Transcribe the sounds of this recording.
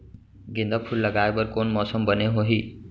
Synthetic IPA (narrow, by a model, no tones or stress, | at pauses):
ɡĩnd̪apʰulːəɡaebəɾkoːnmɔsəmbəneɦoɦi